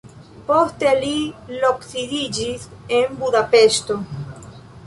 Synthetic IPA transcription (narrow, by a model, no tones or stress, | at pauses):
post̪eliloksiðid͡ʒisembuðapeʃt̪o